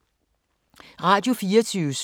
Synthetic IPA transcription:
ʁɑ̈ːd̥jo̝fiːɐt͡sʰyːʊs

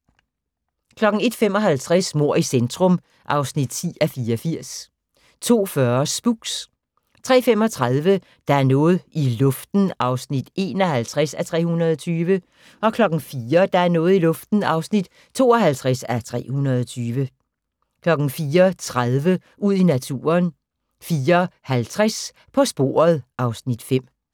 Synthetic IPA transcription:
kʰlɒ̽ɡ̥ŋ̩e̝d̥fem̰ɒ̽ɦælt͡sʰʁasmo̝ɐ̰isend̥ʰʁɔ̽m | ʔɑ̈ʊsnid̥t͡sʰḭːæfiːɐɒfiɐ̰s | t͡sʰo̝̰ːfɶɐsb̥uɡ̥s | t͡sʰʁɛ̰ːfem̰ɒ̽t͡sʰʁaðˠʋə | d̥ɑ̈æɐnɔ̽ːð̩ˠilɔ̽fd̥n̩ɑ̈ʊsnid̥e̝ːnɒhælt͡sʰʁɛsæt͡sʰʁɛ̰ːhunɐð̞ˠɒt͡sʰyːʋə | ɒ̽kʰlɒ̽ɡ̥n̩fiːɐd̥ɑ̈æɐnɔ̽ːð̩ˠilɔ̽fd̥n̩ɑ̈ʊsnid̥ | t͡sʰo̝̰ːɒɦælt͡sʰʁasæt͡sʰʁɛ̰ːhunɐð̞ˠɒt͡sʰyːʋə | kʰlɒ̽ɡ̥n̩fiːɐt͡sʰʁaðˠʋə | uð̞̰ˠinæt͡sʰṵːɐn | fiːɐhælt͡sʰʁas | pʰɒ̽sb̥o̝̰ːɐ̰ð̩ˠʔɑ̈ʊsnid̥fem̰

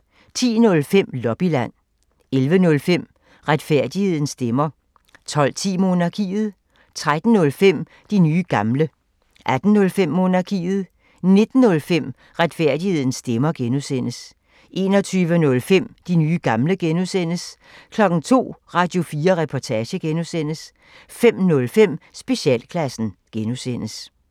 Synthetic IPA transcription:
t͡sʰḭːnɔ̽lfem̰lɒ̽b̥ilæn̰ | elʋənɔ̽lfem̰ | ʁäd̥fæɐ̰d̥ihe̝ð̞̰ˠn̩sd̥emɐ | t͡sʰɒ̽l̰t͡sʰḭːmo̝ːnɑ̈kʰḭːð̞̩ˠ | t͡sʰʁad̥n̩ːɔ̽lfem̰ | d̥inyːɡ̥ɑ̈mlə | ʔæd̥n̩ːɔ̽lfem̰ːo̝ːnɑ̈kʰḭːð̩ˠ | ne̝d̥n̩ːɔ̽lfem̰ | ʁad̥fæɐ̰d̥ihe̝ð̞̰ˠn̩sːd̥emɐɡ̥enusen̰əs | ʔe̝̰ːnɒ̽t͡sʰyːʋənɔ̽lfem̰d̥inyːɡ̥ɑ̈mləɡ̥enusen̰əs | kʰlɒ̽ɡ̥n̩t͡sʰo̝̰ːʁɑ̈d̥jo̝fiːɐʁɛpʰɒt͡sʰɛːɕəɡ̥enusen̰əs | fem̰nɔ̽lfem̰sb̥e̝ɕɛ̰ːlkʰlæsn̩ɡ̥enusen̰əs

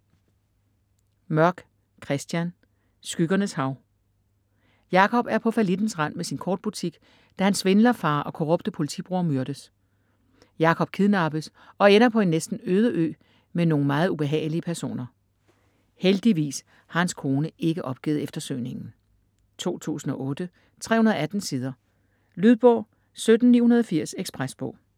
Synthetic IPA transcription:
mɶɐɡ̥ | kʰʁɛsd̥jæn | sɡ̥yɡ̥ɐnəshɑ̈ʊ | jɑ̈kʰɒ̽b̥æɐpʰɒ̽fælid̥n̩sʁɑn̰mesinkʰɒ̰ːd̥̚b̥ut͡sʰiɡ̥ | d̥æhænsʋe̝nlɐfɑ̰̈ːʔɒ̽kʰo̝ʁɔ̽b̥d̥əpʰo̝lit͡sʰḭb̥ʁuɐmyɐɾ̥əs | jɑ̈kʰɒ̽b̥̚kʰiðˠnɑ̈b̥əs | ɒ̽enɐpʰɒ̽e̝nːesd̥n̩øːð̞ˠəʔø̰ː | meno̝ːŋ̩mɑ̈ːð̞̩ˠub̥e̝ɦɛ̰ːɪliəpʰæɐso̝̰ːnɐ | held̥iʋḭːs | hɑ̈hænskʰo̝ːnəe̝ɡ̥əʔɒ̽b̥̚ɡ̥ḭːð̩ˠefd̥ɐsø̰ne̝ŋn̩ | t͡sʰo̝̰ːt͡sʰṵːsn̩ɒ̽ʔɔ̽ːd̥ə | t͡sʰʁɛ̰ːhunɐðˠæd̥n̩siːð̞ˠɐ | lyð̞ˠb̥ɔ̰ʊ | sød̥n̩nḭːhunɐð̞ˠɒfiɐ̰seɡ̥sb̥ʁæsb̥ɔ̰̽ʊ̰

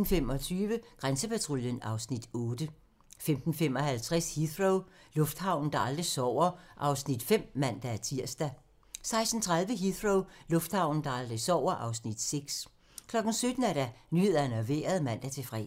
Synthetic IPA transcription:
n̩fem̰ɒ̽t͡sʰyːʋəɡ̥ʁansəpʰæt͡sʰʁuljənɑ̈ʊsnid̥ɔ̽ːd̥ə | femd̥n̩fem̰ɒ̽hælt͡sʰʁɛshiθʁoʊlɔ̽fd̥hɑ̈ʊ̰n̩d̥ɑ̈ɑ̈ld̥ʁisɒʊ̰ɐʔɑ̈ʊsnid̥fem̰mæn̰d̥ææɐt͡sʰiɐ̰sd̥æ | sɑ̈ɪsd̥n̩t͡sʰʁɑ̈ðˠʋəɦiðʁoʊlɔ̽fd̥hɑ̈ʊ̰n̩d̥ɑ̈ɑ̈ld̥ʁisɒʊ̰ɐʔɑ̈ʊsnid̥seɡ̥s | kʰlɒ̽ɡ̥n̩sød̥n̩æɐɾænye̝ðˠɐnɒʋe̝̰ːɐð̞̩ˠmæn̰d̥æɐt͡sʰe̝fʁɛ̰

